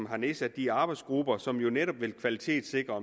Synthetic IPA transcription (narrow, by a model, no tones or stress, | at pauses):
mɦɑ̈ne̝sæd̥d̥iɑ̈ːb̥ɑ̈ɪ̥sɡ̥ʁubɐsɒ̽mjo̝neɾ̥ɒ̽b̥ʋe̝lkʰʋælit͡sʰe̝̰ːd̥se̝ɡ̥ʁɐ